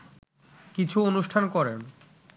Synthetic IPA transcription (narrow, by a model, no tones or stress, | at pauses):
kit͡ɕʰuonuʃʈʰankɔɾen